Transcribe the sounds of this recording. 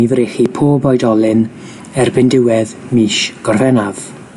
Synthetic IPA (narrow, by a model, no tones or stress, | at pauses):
ivɾeχipʰoːbɔjdɔlˠɪn | ɛrbɪndɪwɛð | miːʃɡ̥ɔrvɛnav̥